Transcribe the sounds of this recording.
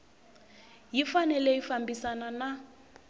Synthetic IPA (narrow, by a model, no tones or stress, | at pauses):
jifanɛlɛifambisanana